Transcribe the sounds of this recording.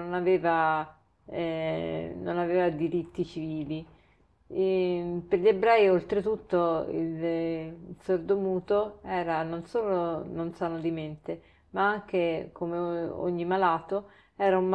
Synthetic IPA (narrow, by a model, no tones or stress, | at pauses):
onaveːva | no̰naveːvad̪iɾit̪ːit͡ʃiviːli | peɾʎiebɾɛːiolt̪ɾet̪ut̪ːoḭl | sord̪omuːt̪oɛːɾanonsoːlononsaːnod̪iment̪e | maaŋk̟ekomeo̰ɲːimalaːt̪o | ɛːɾaum